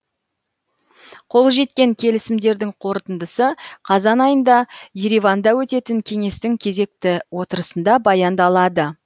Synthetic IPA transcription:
qʰo̞lˠʒe̞t̪̚kʲe̞ŋkʲʰe̞lɪsɪmd̪e̞ɾd̪ɪŋqʰo̞ɾt̪ənd̪əsəqʰɑzɑnɑjənd̪ɑje̞ɾivɑnd̪ɑwɵt̪e̞t̪ɪŋkʲʰe̞ŋe̞st̪ɪŋkʲʰe̞ze̞k̚t̪ɪwo̞t̪əɾəsənd̪ɑbɑjɑnd̪ɑlˠɑd̪ə

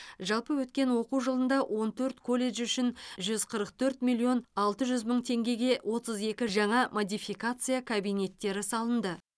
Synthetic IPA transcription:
ʒɑlˠpəwɵt̪kʲe̞nwo̞quwʒəlˠənd̪ɑwʔo̞nt̪ʰɵɾt̪kʰo̞lʲe̞ʒʏʃɪnʒʏz̥qʰəɾəqt̪ʰɵɾt̪mʲilʲːio̞nɑlˠt̪əʒʏzməɴt̪ʰe̞ŋɡʲe̞ɡʲe̞wʔo̞t̪əze̞kʲɪʒɑɴɑmod̪ʲijfijkat̪sɨjakʰabijne̞t̪ːe̞ɾɪsɑlˠənd̪ə

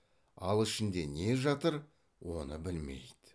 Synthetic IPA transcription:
ɑlˠɪʃɪnd̪e̞ne̞ʒɑt̪əɾ | wo̞nəbɪlme̞̰jd̪̥ɪ

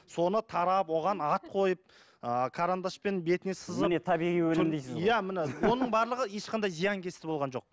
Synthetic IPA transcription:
so̞nət̪ʰɑɾɑpwo̞ʁɑnɑt̪̚qʰo̞jəp̚ | əkʰaɾand̪aspe̞nbe̞t̪nesəzənet̪ʰɑbiʁijwɵɪmd̪ejsɪzjæmɪnɪwo̞nəɴbɑɾlˠəʁəje̞ʃqʰɑnd̪ɑjzijɑŋkʲʰe̞st̪ɪbo̞lˠʁɑnʒo̞q̚

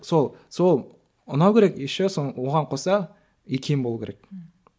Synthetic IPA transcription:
so̞lˠso̞lˠ | ʊnɑwkʲʰeɾekjeʃɪsowoʁɑɴqʰo̞sɑ | ekʲʰejmbo̞lˠukʰʲeɾek̚

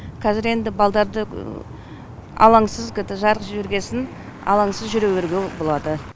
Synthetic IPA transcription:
kʲʰɑzɪɾe̞nd̪ɪbɑlˠd̪ɑɾd̪ə | ɑ̰lˠɑɴsəzkʲɪt̪ɪʒɑɾqʒeɾɡʲe̞sɪn | ɑ̰lˠɑŋsəzʒʏɾeweɾɡʲebo̞lˠɑd̪ə

